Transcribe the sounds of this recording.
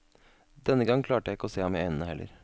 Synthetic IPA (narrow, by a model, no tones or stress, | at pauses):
d̪ɛnːəɡɑŋːkʰlɑːʈəjæɪɪkːəɔseːhɑmɛɪnənəhɛlːʔə̰ɾ